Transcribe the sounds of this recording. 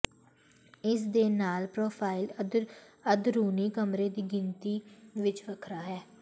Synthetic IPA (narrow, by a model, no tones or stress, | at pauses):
ɪs̬d̪eːnaːlpɾoːpʰaːɪl | əd̪ɾuːniːkəmɾeːd̪iːɡɪnt̪iːʋɪt͡ʃʋəkʰɾaːɦɛː